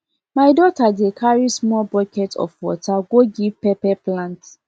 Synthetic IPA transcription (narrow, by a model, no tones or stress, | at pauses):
majdɔtadekʰaɹismɔlbɔkɛtʰɔ̰fwɔ̰tʰaɡoɡivpɛpɛplãnt